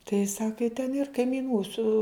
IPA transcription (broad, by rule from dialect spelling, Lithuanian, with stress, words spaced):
tɐɪ ˈsɑːkɐ ɪ tʲɛn ɪr kɐɪmʲiːˈnuː sʊ